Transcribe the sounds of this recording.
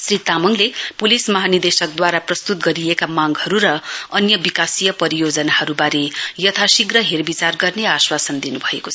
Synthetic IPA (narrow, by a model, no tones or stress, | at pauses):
srit̪amʌŋlepulismʌɦanird̪esʌk̚d̪waɾaprʌst̪ut̪̚ɡʌɾijekamaɡhʌɾuɾʌʌnjʌbikasijʌpʌɾijod͡zʌnahʌɾubaɾejʌt̪ʰasiɡrʌɦerbit͡sarɡʌrneaswasʌnd̪inubʱʌekoʌ